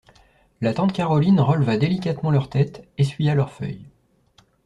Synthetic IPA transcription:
lat̪ɑ̃t̪kʲaʁɔlinʁəlvad̪elikʲat̪mɑ̃lœʁt̪ɛt̪esɥijalœʁfœ̰j

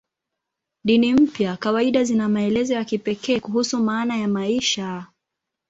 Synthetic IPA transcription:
ɗinim̩pjakawaiɗazinamaɛlɛzɔjakipɛkɛːkuɦusumaːnajamaiʃa

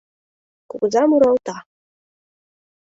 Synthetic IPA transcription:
kuɡɤzɑmuɾɑwt̪ɑ

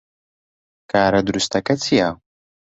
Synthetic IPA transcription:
kaːɾad̪ɾust̪akat͡sija

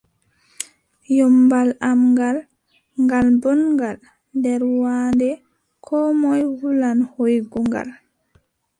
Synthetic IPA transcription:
jɔmbalamŋɡal | ŋɡalbɔnŋɡal | ndɛɾwaːndɛ | kʰɔmɔjwulanhojɡuŋɡa̰l

